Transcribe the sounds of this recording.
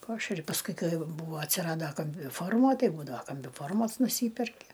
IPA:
ˈpɑːʃʲɛrʲɪ pɐsˈkʊɪ ˈkɐɪ ˈjɛʊ ˈbuːʋɐ ɐtʲsʲɪˈrɑːdoː kɐmʲbʲɪˈfoːrmoː ˈtɐɪ ˈbuːdɐʋɐ kɐmʲbʲɪˈfoːrmoːs nʊˈsʲiːpʲɛrʲkʲɪ

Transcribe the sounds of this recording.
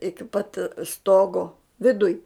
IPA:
ˈɪkʲɪ pɐt ˈstoːɡoː ʋʲɪˈdʊj

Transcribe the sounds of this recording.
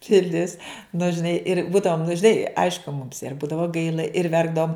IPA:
pʲɪˈlʲɪs nʊ ʒʲɪˈnɐɪ ɪr ˈbuːdɐʋoːm nʊ ʒʲɪˈnɐɪ ˈɐɪʃkʊ mʊms ɪr ˈbuːdɐʋoː ˈɡɐɪlˠɐ ɪr ˈʋʲɛrɡdɐʋoːm

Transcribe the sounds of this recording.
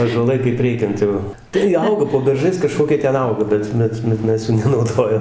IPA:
ɑːʒuɔˈlˠɐɪ kɐɪp ˈrʲɛɪkʲɛnt jɛʊ tɐɪ ˈɐʊɡɐ poː bʲɛrˈʒɐɪs kɐˈʃkoːkʲiɛ ˈtʲɛn ˈɐʊɡɐ ˈbʲɛt ˈbʲɛt bʲɛt ˈmʲɛs juː nʲɛnɐʊˈdoːjɛm

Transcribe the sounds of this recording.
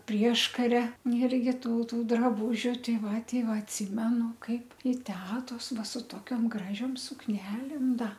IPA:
ˈpʲrʲiɛʃkɐrʲɛ ɪrʲˈɡʲɪ ˈtuː ˈtuː drɐˈbuːʒʲʊ ˈtʲɛɪ ˈʋɐ ˈtʲɛɪ ˈʋɐ ɐtʲˈsʲɪmʲɛnʊ ˈkɐɪp ɪ ˈtʲæːtoːs ˈʋɐ sʊ ˈtoːkʲoːm ˈɡrɑːʒʲoːm sʊkˈnʲæːlʲeːm ˈdɐ

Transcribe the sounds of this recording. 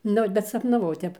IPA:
ˈnʊ bʲɛt sɐpnɐˈʋɐʊ ˈtʲɛp

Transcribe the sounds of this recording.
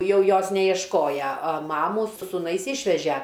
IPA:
ˈjɛʊ ˈjoːs nʲɛjiɛʃˈkoːjɛ ɐ ˈmɑːmuː sʊ sʊˈnɐɪs ˈɪʃʲʋʲɛʒʲæ

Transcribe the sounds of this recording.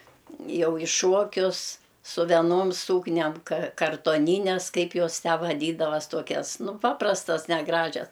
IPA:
ˈjɛʊ ɪ ˈʃuɔkʲʊs sʊ ʋʲɛˈnoːm ˈsuːknʲɛm kɐ kɐrtoːˈnʲiːnʲɛs ˈkɐɪp ˈjoːs ˈtʲæː ʋɐˈdʲiːdɐʋɐs ˈtoːkʲɛs ˈnʊ ˈpɑːprɐstɐs nʲɛˈɡrɑːʒʲɛs

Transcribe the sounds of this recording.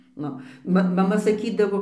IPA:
ˈnʊ ˈmɐ mɐˈmɐ sɐˈkʲiːdɐʋoː

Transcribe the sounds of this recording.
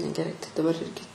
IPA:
nʲɛɡʲɛˈrɐɪ tɐɪ dɐˈbɐr ˈɪrʲɡʲɪ

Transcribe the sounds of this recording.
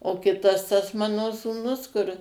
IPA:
oː ˈkʲɪtɐs tɐs ˈmɑːnoː suːˈnʊs kʊr

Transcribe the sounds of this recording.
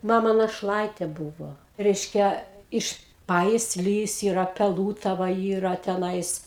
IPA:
ˈmɑːmɐ nɐʃˈlˠɐɪtʲeː ˈbuːʋoː ˈrʲɛɪʃʲkʲɛ ˈɪʃ ˌpɑːjɪsʲˈlʲiːs ˈiːrɐ pʲɛˈlˠuːtɐʋɐ ˈiːrɐ tʲɛˈnɐɪs

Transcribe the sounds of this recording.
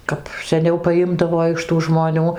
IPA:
ˈkɐp sʲɛˈnʲɛʊ pɐˈjɪmdɐʋoː ɪʃ tuː ʒmoːˈnʲuː

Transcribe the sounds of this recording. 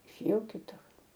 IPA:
ɪʃʲeːˈjɛʊ kʲɪˈtʊr

